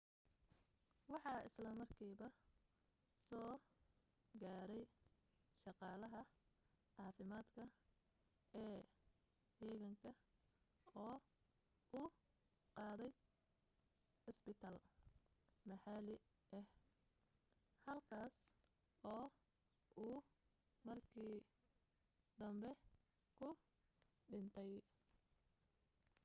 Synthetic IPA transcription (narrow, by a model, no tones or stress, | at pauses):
wɑħɑːɪ̰slɐmɐrkʰiːβɐ | sɔː | ɡaːɾɛj | ʃɑqɑːlɐɦɐ | ʕɑːfɪmaːd̪kʰɐ | ɛː | d̪ɛːɣɐŋkʰɐ | ɔː | ʊ | qɑːðɛj | ħɪsbɪt̪ʰaːl | mɐħalɪ | ɛh | hɐlkʰaːs | ɔː | ʔuː | mɐrkʰiː | d̪̥ɐmbɛ | kʰʊ | ɖɪnt̪ʰɛj